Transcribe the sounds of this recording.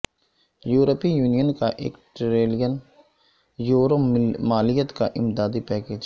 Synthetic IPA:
juːɾəpijuːnijənkaʔḛːkʈɾeːlijən | juːɾomaːlɪjət̪kaʔɪmd̪aːd̪ipɛːkeːd͡ʒ

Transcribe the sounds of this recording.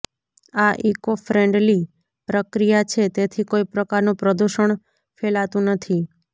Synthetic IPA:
aʔikofɾeɳɖli | pɾəkɾijat͡ʃʰet̪et̪ʰikoipɾəkaɾnopɾəd̪uʃəɳ | felat̪ũnət̪ʰi

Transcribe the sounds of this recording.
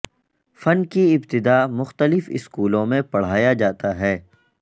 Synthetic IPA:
fɐnkiɪbt̪ɪd̪aːmʊxt̪əlɪfɪ̰skuːlõmẽpɐɽ̤aːjad͡ʒaːt̪aɦɛː

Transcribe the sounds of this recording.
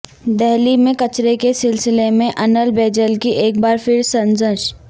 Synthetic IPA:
d̪ɛɦlimẽkɐt͡ʃɾekesɪlsɪlemẽʔɐnəlbeːd͡ʒəlkiʔeːk̚baːɾfɪɾsɐ̃nzəʃ

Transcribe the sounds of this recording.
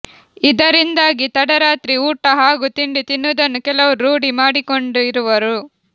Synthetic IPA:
id̪ɐɾind̪aːɡit̪ɐɽɐɾaːt̪ɾiuːʈɐɦaːɡut̪iɳɖit̪inːud̪ɐnːukɛlɐʋuɾuːɽimaːɽiko̞ɳɖuiɾuʋɐɾu

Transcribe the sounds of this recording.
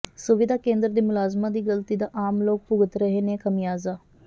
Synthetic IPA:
sʊʋɪd̪aːkẽːnd̪ɾd̪iːmʊlaːzmãːd̪iːɡəlt̪iːd̪aːʔaːmloːk̚pʊɡət̪ɾəɦeːnekəmijaːzaː

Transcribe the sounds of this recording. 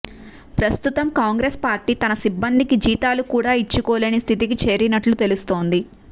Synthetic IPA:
pɾɐst̪ut̪ɐmkaːŋɡɾeːspaːɾʈiːt̪ɐnɐsibːɐnd̪ikid͡ʒiːt̪aːlukuːɽaːit͡ʃːukɔːleːnist̪ʰit̪̬ikit͡ʃe̞ːɾinɐʈlut̪e̞lust̪o̞ːnd̪i

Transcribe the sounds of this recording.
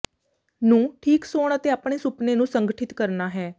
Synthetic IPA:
nũːʈʰiːksoːɳət̪eːaːpɳeːsʊpneːnũːsəŋɡəʈʰɪt̪kəɾnaːɦɛː

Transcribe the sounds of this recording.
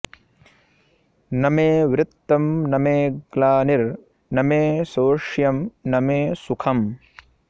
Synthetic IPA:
nɐmeːʋɾɪt̪ːɐmnɐmeːɡlaːniɾ | nɐmeːsoːʂjɐmnɐmeːsukʰɐm

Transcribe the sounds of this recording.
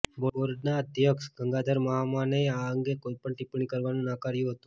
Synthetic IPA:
boɽʋəɾɖnaəd̪ʱjəksɡʱəŋɡad̪ʱəɾməɦamaneaəŋɡekoipəɳʈipɳikəɾʋanũnakaɾjũɦət̪ũ

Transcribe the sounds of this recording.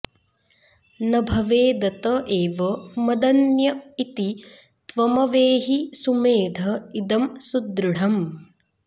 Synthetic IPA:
nɐbʱɐʋeːd̪ɐt̪ɐʔeːʋɐmɐd̪ɐnjɐit̪i | t̪ʋɐmɐʋeːɦisumeːd̪ʱɐid̪ɐmsud̪ɾuɽɐm

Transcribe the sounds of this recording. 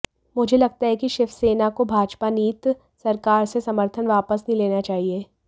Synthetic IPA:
mʊd͡ʒʱelɐɡ̚t̪aɦɛkiʃɪfseːnakobʱaːd͡ʒpaniːt̪ | sɐɾkaːɾsesɐməɾt̪ʰənʋaːpəsnɐɦĩleːnat͡ʃaːɦieː

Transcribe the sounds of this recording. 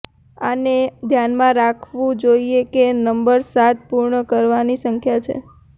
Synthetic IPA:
a̰ned̪ʱjanmãɾakʰʋũd͡ʒoiekenəmbəɾsat̪̚puɾɳəkəɾʋanisəŋkʰjat͡ʃʰḛ

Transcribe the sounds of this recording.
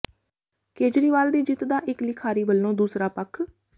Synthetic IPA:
keːd͡ʒɾiːʋaːld̪iːd͡ʒɪt̪d̪aːʔɪklɪkʰaːɾiːʋəlːõːd̪uːsɾaːpəkʰ

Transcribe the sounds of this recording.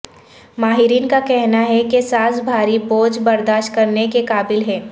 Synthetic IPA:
maːɦɪɾiːnkakɛɦnaɦɛkesaːzbʱaːɾiboːd͡ʒbɐɾd̪aːʃt̚kɐɾnekekaːbɪlɦɛː

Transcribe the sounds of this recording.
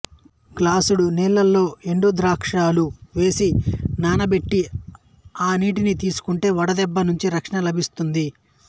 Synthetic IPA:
klaːsuɽuniːlːɐlːo̞ːeɳɖud̪ɾaːkʂaːluʋe̞ːsinaːnɐbe̞ʈːi | aːniːʈinit̪iːsu̥kuɳʈe̞ːʋɐɽɐd̪ɛbːɐnuɲt͡ʃiɾɐkʂɐɳɐlɐbʱist̪und̪i

